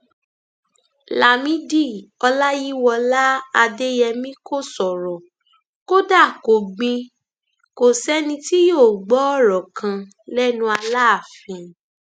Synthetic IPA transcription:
la˨mĩ˦di˦˨ɔ˧la˦ji˦wɔ˧la˦a˧de˦jɛ˧mĩ˦ko˦˨sɔ˨ɾɔ˨ | ko˦da˦˨ko˨ɡ͡bĩ˧ | ko˨sɛ˦nĩ˧ti˦joː˦˨ɡ͡bɔ˨˦ɔ˦˨ɾɔ˨kʰã˧ | lɛ˦nũ˧˦a˧la˦a˦˨fĩ˨

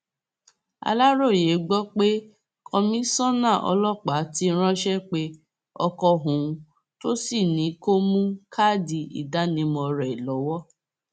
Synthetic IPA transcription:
a̰˧la˦ɾo˦˨je˨˦ɡ͡bɔ˦k͡pe˦ | kʰɔ̃˧mĩ˦sɔ̃˦nã˦˨ʔɔ̰˧lɔ˦˨k͡pa˨˦ti˧˦ɾ̃ã˦ʃɛ˦k͡pe˧˦ | ɔ˧kɔ˧ɦũ˨˦˧ | to˦si˦˨nĩ˨˦ko˦mũ˦kʰa˦˨di˧ḭ˨da˨˦nĩ˧˦mɔ̃˧ɾɛ˨i˨lɔ˨˦wɔ˦

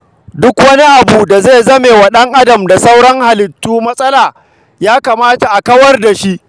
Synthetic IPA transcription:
dʊ˦kwɐ˦ni˦ʔa˨buː˨da˨ze˦˨zɐ˦meː˨wa˨ɗɐ˦ŋʔa˦dɐ˨mda˨sa˦wɽɐ˦ŋha˨lɪ˨tːuː˦mɐ˦sʼɐ˦laː˨ | jaː˦kaː˨maː˦ta˨ʔa˨kɐ˦wɐ˦rda˨ʃi˦ʔ

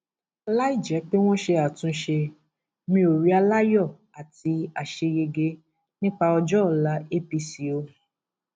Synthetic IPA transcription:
la˦i˦˨d͡ʒɛ˨˦k͡pe˦w̃ɔ̃˦ʃe˧a˨tũ˧˦ʃe˧ | mĩ˧o˨ɾi˨˦a˧la˦jɔ˦˨ | a˨ti˧˦a˨ʃe˧ɡe˧ɡe˧˦ | nĩ˦k͡pa˧ɔ˧d͡ʒɔ˦˨la˨˦e˦pi˧si˨˦o˧

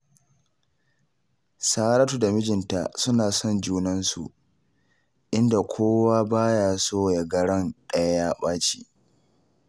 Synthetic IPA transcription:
saː˦ɾɐ˦tu˨da˨mɪ˦d͡ʒɪ˨nta̰˨sʊ˦naː˨sɔ˦˨nd͡ʒuː˦nɐ˦nsṵ˨ʔ | ʔɪ˦nda˨kʷʰoː˦waː˦baː˦ja˨soː˦˨ja˦ɡɐ˦ɽɐ˦nɗɐ˦ja˦jaː˦ɓaː˦t͡ʃiː˦ʔ

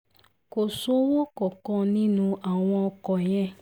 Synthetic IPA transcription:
ko˨so˨˦wo˦kɔ˨kɔ̃˧nĩ˦nũ˧ʔa˨w̃ɔ̃˧ɔ˧kɔ˨jɛ˧

